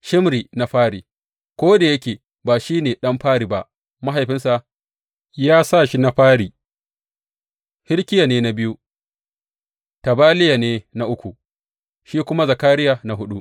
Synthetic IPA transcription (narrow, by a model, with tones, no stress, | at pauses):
ʃɪ˦mɾiː˨na˨ɸaː˦ɽiː˨ | kʷoː˦da˨jɐ˦kʲeː˨ | baː˨ʃiː˦neː˨ɗɐ˦mɸaː˦ɾiː˨ba˦ʔ | ma˦ɦa˨jɸɪ˦nsa˨ʔ | jaː˦sa˦˨ʃi˦na˦ɸaː˦ɾiː˨ | hɪ˦ɽkʲɪ˦ja˨neː˦na˨bɪ˦ju˦ | ta˨baː˦lɪ˦ja˨neː˦na˦ʔʊ˦kʷu˨ | ʃiː˦kʷʊ˦ma˦za˨kaː˦ɾɪ˦jaː˨na˨ɦʊ˦ɗu˦ʔ